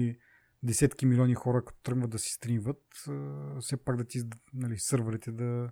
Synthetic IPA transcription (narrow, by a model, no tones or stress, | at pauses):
i | d̪ɛsɛt̪kimilʲɔnʲixɔɾəkɐ̥t̪o̥t̪ɾəɡnvəd̪ɐsi̥st̪ɾinvət̪əfsɛpaɡd̪ɐt̪inɐlisɤɾvəɾit̪ɛd̪ɐ